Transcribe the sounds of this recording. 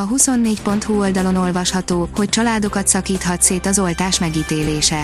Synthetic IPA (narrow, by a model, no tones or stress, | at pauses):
ɒɦuso̞nːeːcpo̞nt̪huo̞ld̪ɒlo̞no̞lvɒʃhɒt̪oːho̞ct͡ʃɒlaːd̪o̞kɒt̪sɒkiːt̪hɒt̪seːt̪ɒzo̞lt̪aːʃmɛɡiːt̪eːleːʃɛ